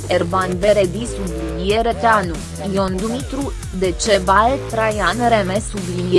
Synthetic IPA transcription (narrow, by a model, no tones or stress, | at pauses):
eɾbanbeɾed̪isublinjeɾet̪eanu | jond̪umit̪ɾu | d̪et͡ʃebalt̪ɾajanɾemesublin